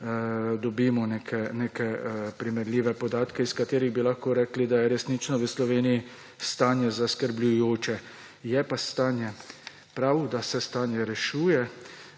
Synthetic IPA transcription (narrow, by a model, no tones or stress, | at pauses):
d̪ɔbimɔneːkʰɛneːkɛpɾimɛɾlʲiːʋɛpɔd̪aːt̪kɛiskat̪eːɾiɣbilaxkoɾɛklid̪ajɛɾɛsnit͡ʃnɔʋəslɔʋeːniji | st̪aːnjɛzaskəɾblʲujoːt͡ʃɛ | jɛpast̪aːnjɛ | pɾawd̪asɛst̪aːnjɛɾɛʃuːjɛ